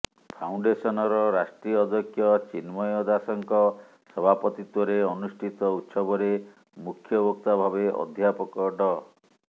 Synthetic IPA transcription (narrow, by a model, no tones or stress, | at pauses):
pʰawɳɖesɔnɔɾɔɾasʈɾiɔd̪ɔkʰjɔt͡ʃinmɔjɔd̪asɔŋkɔ | sɔbʱapɔt̪it̪wɔɾeɔnusʈʰit̪ɔut̪sɔbɔɾe | mukʰjɔbɔk̚t̪abʱabeʔɔ̰d̪ʱjapɔkɔɖɔ